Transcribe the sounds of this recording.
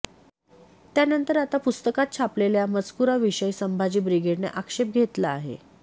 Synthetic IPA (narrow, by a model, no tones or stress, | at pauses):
t̪janənt̪əɾat̪apust̪əkat̪̚t͡ɕʰapleljaməd͡zkuɾaʋiɕəjsəmbʱad͡ʑiːbɾiɡeɽnḛʔakʂep̚ɡʱet̪laːɦḛ